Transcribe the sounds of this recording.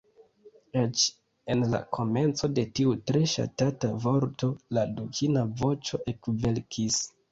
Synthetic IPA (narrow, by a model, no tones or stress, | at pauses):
et͡ʃ | e̞nla̰kʰo̞me̞nt͡so̞de̞tiutɾe̞ʃa̰tatavo̞ɾto̞ladukʰinavo̞t͡ʃo̞ʔe̞kve̞lkʰis